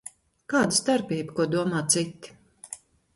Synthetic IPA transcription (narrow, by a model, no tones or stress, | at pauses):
kaːd̪ɨst̪aɾpʲiːbkuɔd̪uɔmaːt̪sit̪ːi̥